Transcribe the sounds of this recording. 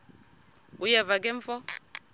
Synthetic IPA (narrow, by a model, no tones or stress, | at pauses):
ujɛvak̬ʼɛɱfɔ